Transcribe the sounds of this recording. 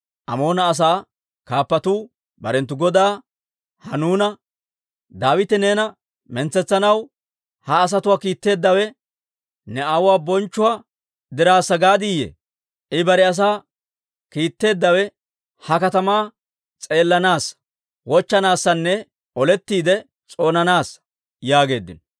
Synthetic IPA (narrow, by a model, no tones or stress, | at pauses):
ʔɐ̰mo̞ːnɐːs̬aː | kaːpːɐt̪uː | bɐ̰ɾɛnt̪ːʊɡɔd̪aː | hɐnuːnɐ | d̪aːwɪt̪ɛne̞ːnɐ | mɛnt͡sːɛt͡sːɐnɐw | hɐːs̬ɐt̪ʊwaːkiːt̪ːe̞ːd̪ːɐwɛ | nɛawʊwaːbɔnt͡ʃːʊwaː | d̪ɪɾaːsːɐɡaːd̪ɪjɛ̰ | ʔɪbɐɾɛɐs̬aː | kiːt̪ːe̞ːd̪ːɐwɛ | hɐkɐt̪ɐmaː | t͡sʼe̞ːlːɐnaːs | wɔt͡ʃːɐnaːsːɐnːɛ | ɔlɛt̪ːiːd̪ɛ | t͡sʼo̞ːnɐnaːs | jaːɡe̞ːd̪ːɪ̰nɔ